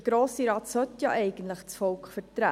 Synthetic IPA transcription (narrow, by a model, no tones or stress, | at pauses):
əɡ̥ɾoːsiɾɑːt̪sœt̪jɑ̰ʔɛɪɡən̩t̪ləχt͡sfɔlkχfəɾtɾæ